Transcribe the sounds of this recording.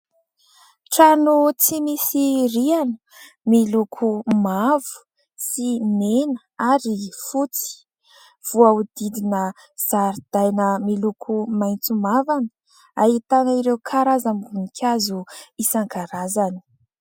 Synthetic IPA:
ʈ͡ʂanut͡simisiɾianə | milukʰumavu̥ | simenəaɾifut͡si̥ | v̥uaud̪id̪inə | z̥aɾid̪̥ajnəmilukʰumajnt͡sumavanə̥ | ait̪anaiɾeukʰaɾazamɡunikʲʰazuisaŋɡaɾazani̥

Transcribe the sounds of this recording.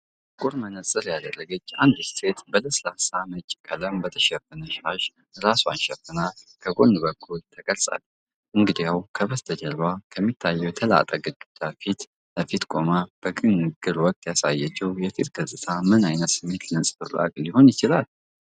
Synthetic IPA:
kʼuɾmənəsʼɨɾjad̪ərːəɡət͡ʃːand̪ɨst̪ʰe̞t̪bət̪əslasamɨt͡ʃʼkʼələmbət̪ʰəʃɛfɨnəʃaʃ | ɾasua̰nʃɛfːɨnakʰəɡʼo̞nbəkʰːult̪ʰəkʼəlsʼa̰l | ʔɨŋɡɨd̪ijawkʰəβəst̪ʰəd͡ʒəlwakʰəmːit̪ʰːajːɛwjɛt̪ʰəla̰t̪ʼəɡəd͡ʒud̪̥afit̪ | ləfit̪kʼo̞mab̥əɡʼɨnːɨɡɨɾwɔkʼt̪jasajət͡ʃːɛwjɛfit̪ɡəzsʼɨt̪ʰamɨnajnət̪sɨmːe̞t̪əsʼfɨra̰kʼliho̞njɪt͡ʃɪlal

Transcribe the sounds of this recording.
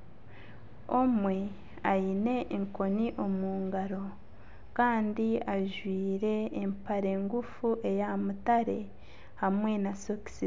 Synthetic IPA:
omwe̞ | ajine̞ʔːŋko̞niʔo̞muːŋɡaɾo̞ | kaːndiaʒwiːɾe̞ːmpaɾe̞ŋɡufuʔe̞jamutaɾe̞ | hamŋe̞nasoki̥si

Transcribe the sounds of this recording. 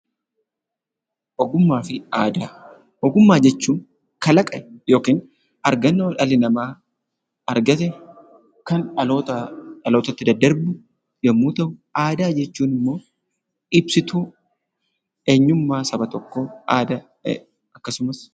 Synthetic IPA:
ʔɔɡʊmːaːfɪʔaːd̪aː | ɔɡʊmːaːd͡ʒɛt͡ʃːuːn | kɐlɐkʼɐʔɛjo̞ːkiːn | ɐɾɡɐnːoːᶑɐlɪnɐmaː | ɐɾɡɐt̪ɛ | kɐnɐt̪ɐlo̞ːt̪ɐt̪ːɪd̪ɐd̪ːɐɾbʊ | d͡ʒɛmːuːt̪ɐʔʊaːd̪aːd͡ʒɛt͡ʃːuːnɪmːo̞ː | ɪbsɪt̪uː | e̞ːɲːʊmːaːsɐbɐt̪ɔkːoːʔaːd̪ɐ̰ | ɐkːɐsʊmɐs

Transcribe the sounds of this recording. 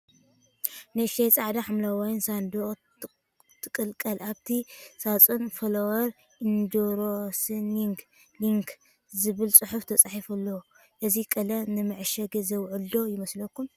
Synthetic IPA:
nɨʃejt͡sʼaʕd̪aħamlawajnsand̪o | t̪ʰɨkʼɨlkʼɐlʔaβt̪ʰisat͡sʼunfɐlɐwɐɾ | ʔind̪oɾosɨniŋɡ | liŋk | zɨβɨlt͡sʼɨħuft̪ʰɐt͡sʼaħifɐlːɐw | ʔɨzikʼɐlɐnɨmɨʕɨʃɐɡɨzɐwʕʊld̪o̞jɪmɐslɐkːum

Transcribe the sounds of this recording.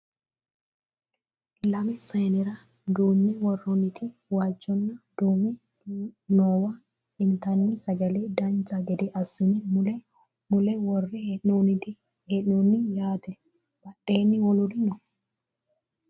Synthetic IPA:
lɐmɛsɐjnɛɾɐ | d̪uːnːɛwɔrːɔnːɪt̪ɪwaːd͡ʒːɔnːɐd̪̥uːmɛ | noːwɐ | ɪnt̪ɐnːɪsɐɡɐlɛd̪ɐnd͡ʒɐɡɛd̪ɛʔɐsːɪnɪm | mʊlɛwɔrːɛonɪt̪ɪ | heᶑnɔnːɪjaːt̪ɛ | b̥ɐɗːeːnːɪwɔlʊd̪ɪnɔ

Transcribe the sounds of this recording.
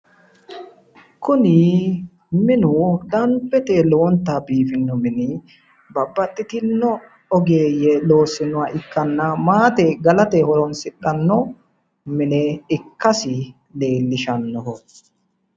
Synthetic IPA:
kʊnɪ | mɪnʊd̪ɐnbɛt̪ɛloɔnt̪ːabiːfɪnːɔmɪnɪ | bɐbːɐt̪ːɪt̪ɪnːɔ | ɔɡeːjɛlo̞ːsːɪnʊwaʔɪkːɐnːɐmaːt̪ɛɡɐlɐt̪ɛhɔɾɔnsɪɗɐnːɔ | mɪnɛɪkːɐsɪ | le̞ːlːɪʃɐnːɔɦɔ

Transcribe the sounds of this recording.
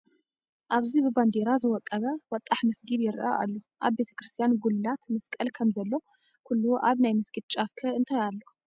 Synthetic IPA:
ʔaβzibɨband̪e̞ɾazɨwɔkʼːɐβɐwɔt̪ʼːaħmɐsɡiljɪɾʔa̰ʔa̰lːo | ʔaβbe̞t̪ʰɐ̥kɾɨst̪ʰijanɡulɨlat̪mɐskʼɐlkʰɐmzɐlːo̞ | kʰulːuʔaβnajmɐsɡ̥id̪̚t͡ʃʼafkʰɐɨnt̪ʰajalːo

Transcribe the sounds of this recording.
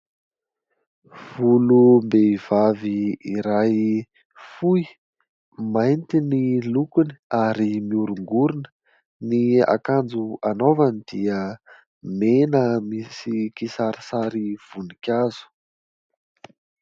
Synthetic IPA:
v̥ulumbeiv̥aviiɾaj | fui | majnt̪inilukuni̥aɾimiuɾuŋɡuɾunə̥ | nia̰kand͡zuanovanid̪̥iə | menəmisikisaɾisaɾiv̥unikʲazu̥

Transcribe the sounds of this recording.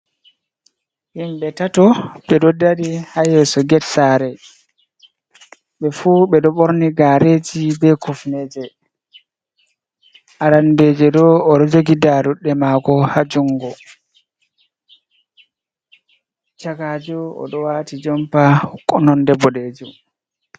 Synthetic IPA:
himɓɛtatɔɓɛɗɔdaɾihajɛsɔɡɛtsaɾɛ | ɓɛfuɓɛɗɔɓoɾniɡaɾed͡ʒibɛkufned͡ʒɛ | aɾandeːd͡ʒɛdɔːɗɔd͡ʒoɡidaɾuɗːɛmakɔhad͡ʒuŋɡɔ | t͡ʃakad͡ʒuɔ̰ɗɔwaːtid͡ʒɔmpahkʼːɔnɔndɛbɔɗeːd͡ʒu

